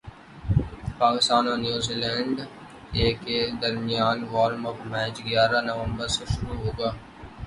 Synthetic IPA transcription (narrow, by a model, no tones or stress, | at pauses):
paːkɪst̪aːnãnjuːziːlɛ̃ːɳɖ | eːked̪ɐɾmɪjaːnʋaːɾmɔpmɛːt͡ʃɡjaːɾanɐʋə̃mbəɾseʃʊɾuɦoːɡaː